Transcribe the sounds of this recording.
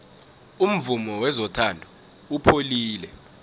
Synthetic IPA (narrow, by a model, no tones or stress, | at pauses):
um̩vumɔwɛzɔtʰandʱɔ | upʰoliːlɛ